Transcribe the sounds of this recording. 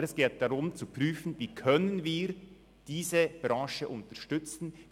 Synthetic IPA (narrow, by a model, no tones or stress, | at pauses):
ɛsɡ̥eːt̚d̥aʁʊmt͡supʁ̥yːfn̩viːkʰœnənviːɾ | d̥iːzəb̥ɾɑ̃ːʃəʔʊntɐʃtʏt͡sn̩